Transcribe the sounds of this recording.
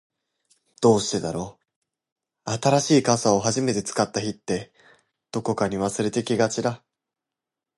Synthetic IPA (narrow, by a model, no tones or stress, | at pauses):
d̪̥o̞ːɕi̥t̪e̞d̪aɾo̞ | at̪aɾaɕiːkasao̞ɦaʑime̞t̪e̞t͡sɨ̥kat̪ːaçit̪ːe̞ | d̪̥o̞ko̞kaɲ̟iβ̞asɨɾe̞t̪e̞kʲiɡat͡ɕid̪a